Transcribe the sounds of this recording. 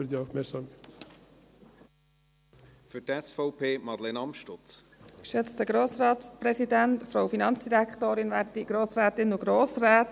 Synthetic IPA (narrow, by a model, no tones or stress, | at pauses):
əɾd̪iɑʊfmɛsɑm | fytɛsfɔʊpʰeːmɑdlenɑmʃtʊt͡s | ʃøt͡stəɡ̥ɾoːsɾɑːtspɾɛsidæntfɾoʊfinɑnt͡sd̥iɾæktoːɾɪnʋæːdiɡ̥ɾoːsɾæːt̪ɪnʊɡɾoːsræːt